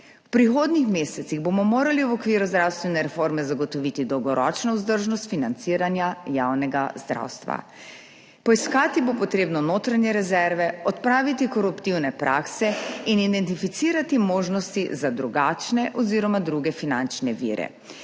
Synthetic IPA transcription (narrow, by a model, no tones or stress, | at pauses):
wpɾixoːd̪nixmeːsɛt̪siɣbomɔmoːɾaliwɔkʋiːɾuzd̪ɾawst̪ʋɛnɛɾɛfoɾmɛzaɡɔt̪ɔʋit̪id̪ɔwɡɔɾɔ̰t͡ʃnɔuzd̪əɾʒnɔst̪finant̪siːɾanjajaːwnɛɡazd̪ɾa̰wst̪ʋa̰ | pɔiskaːt̪ibopɔt̪ɾeːbnɔnoːt̪ɾaɲjɛɾɛzɛɾʋɛɔt̪pɾaːʋit̪ikɔɾupt̪iwnɛpɾʔa̰ːksɛinid̪ɛnt̪ifit̪siːɾat̪imoːʒnɔst̪izad̪ɾuɡaːt͡ʃnɛʔɔziːɾɔmad̪ɾuɡɛfinant͡ʃnɛʋḭːɾɛ̰